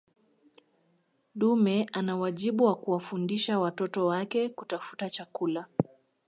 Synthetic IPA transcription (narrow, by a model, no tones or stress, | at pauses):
ɗumɛʔanawaʄiɓuwakuwafundiʃawatɔtɔwakɛkutafu̥tat͡ʃakula